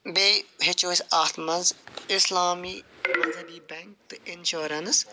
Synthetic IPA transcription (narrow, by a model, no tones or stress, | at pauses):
beːɦɪt͡ʃoːsaːt̪ʰmɐnzɪslaːmiːmɐzɐbiːbɛŋk̚t̪ɨɪnʃoːɾɐns